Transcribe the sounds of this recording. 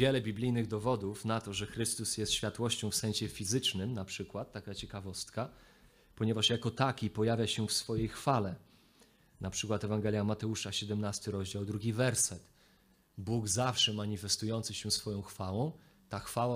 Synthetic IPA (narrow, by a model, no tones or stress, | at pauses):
jɛlɛbʲiblʲijnɘɣd̪ɔvɔd̪ufnat̪ɔʐɛxɾɘst̪usjɛst̪ɕfʲjat̪wɔɕt͡ɕɔ̃w̃fsɛ̃ɲ̃ɕɛfʲizɘt͡ʂnɘmnapʂɘkwat̪ːakat͡ɕɛkavɔst̪ka | pɔɲɛvaʂjakɔt̪akʲipɔjavʲjaɕɛfsfɔjejxfalɛ | napʂɘkwat̪ɛvaŋɡɛlʲjamat̪ɛuʂaɕɛd̪ɛmnast̪ɘɾɔʑd͡ʑawd̪ɾuɡʲivɛɾsɛt̪ | buɡzafʂɛmaɲifɛst̪ujɔnt̪sɘɕɛsfɔjɔ̃w̃xfawɔ̃w̃ | t̪axfawa